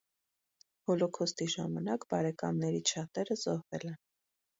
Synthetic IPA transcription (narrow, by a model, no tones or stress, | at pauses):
hɔlɔkʰɔst̪iʒɑmɑnɑkbɑɾɛkɑnnɛɾit͡ʃʰɑt̪ɛɾəzɔhvɛlɛn